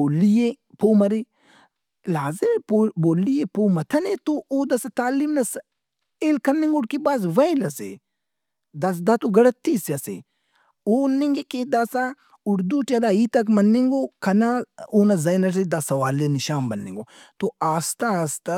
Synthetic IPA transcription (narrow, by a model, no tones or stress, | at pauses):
oːlije | poːmɐɾi | laːzepoboːlːijepoːmɐt̪ʰɐnet̪ooːd̪ɐsat̪aːlimnɐs | eːlkɐnːĩŋɡoɽkibaːzʋɐilɐsḛ | d̪ɐsd̪at̪oɡɐɽɐt̪ːiːsjɐsḛ | oːnːĩŋɡeked̪asa | ʊɽd̪uʈɐlaːiːt̪ɐkmɐnːeŋɡoːkʰɐnaoːnɐzɐjnɐʈ̬ed̪ɐsɐʋaːlenɪʃaːmbɐnːḛ̃ːŋɡoː | t̪oaːst̪aːst̪a